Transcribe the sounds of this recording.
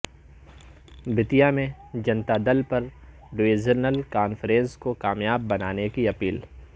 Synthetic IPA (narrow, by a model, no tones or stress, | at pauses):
bɪt̪ijamẽd͡ʒɐ̃nt̪ad̪ɐlpɐɾ | ɖʋeːzəɾnəlkaːnfɾẽːnskokaːmjaːbːɐnaːnekiɐpiːl